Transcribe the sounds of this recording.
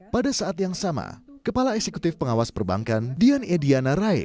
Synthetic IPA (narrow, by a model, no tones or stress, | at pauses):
padasaat̪jaŋsama̰kəpalaɛsekut̪ɪfpəŋawaspərba̰ŋkandianɛdianaɾaḭ